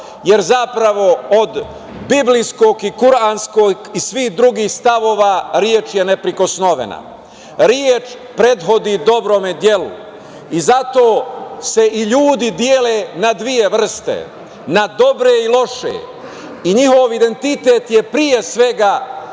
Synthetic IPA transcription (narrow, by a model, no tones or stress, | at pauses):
jeɾzapɾaʋo̞od̪ | biblijskoːɡikuɾanskoɡisʋihd̪ɾuɡiːxst̪aʋo̞ːʋaɾjeːt͡ʃjenepɾiko̞sno̞ʋḛna̰ | ɾjeːt͡ʃ | pɾe̞d̪ɦo̞d̪id̪o̞bɾomed̪jelṵ | izat̪o̞ːse̞ʔiʎuːd̪id̪jeːleːnad̪ʋije̞ʋr̩st̪ḛ | nad̪o̞bɾeilˠo̞ʃḛ | iɲiho̞ʋid̪e̞nt̪it̪eːt̪jepɾije̞sʋe̞ɡa